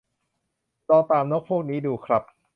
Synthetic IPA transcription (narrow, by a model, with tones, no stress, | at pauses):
t͡ɕɔː˧t̪aː˨˧mnɔː˥˩k̚pʰu˥˩k̚niː˦˥duː˧kʰɾa˦˥p̚